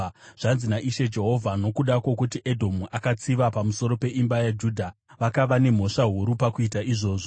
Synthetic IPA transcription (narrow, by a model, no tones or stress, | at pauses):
ʐ̥anzinaʔiʃe̞d͡ʒe̞ɦo̞vʱano̞kuɗakwo̞kutiʔe̞dʱo̞muʔakat͡siʋapamuso̞ɾo̞pe̞ʔimbajad͡ʒuːdʱaʋakaʋane̞m̤o̞ʂaɦuɾupakuitaʔiʐo̞ːʐo